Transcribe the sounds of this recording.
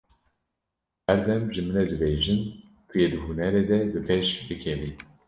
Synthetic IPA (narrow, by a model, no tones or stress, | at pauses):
hæɾd̪ɛmʒɨmɨnɛd̪ɨbeːʒɨn | kʰjed̪ɨɦunɛɾeːd̪ɛbɨpʰeʃbɨkʰɛvi